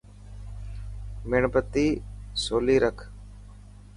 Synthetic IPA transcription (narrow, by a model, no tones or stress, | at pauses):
mɪɳbət̪ːiːsoːliːɾəkʰ